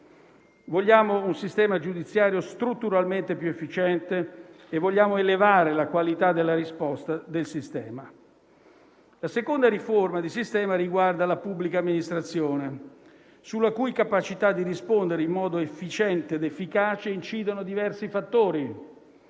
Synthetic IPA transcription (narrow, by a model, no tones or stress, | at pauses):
voʎːaːmounsist̪ɛːmad͡ʒud̪it̪sːjaːɾjost̪ɾut̪ːuɾalment̪epjuefːit͡ʃɛnt̪e | evːoʎːaːmoelevaːɾelakwalit̪ad̪elːaɾispɔst̪ad̪elsist̪ɛːma | lasekond̪aɾiformad̪isist̪ɛːmaɾiɡward̪alapubːlikaːmːinist̪ɾat̪sːjoːne | sulːakujkapat͡ʃit̪ad̪ːiɾispond̪eɾeimːɔːd̪oefːit͡ʃɛnt̪eːd̪efːikaːt͡ʃeint͡ʃiːd̪onod̪ivɛrsifat̪ːoːɾi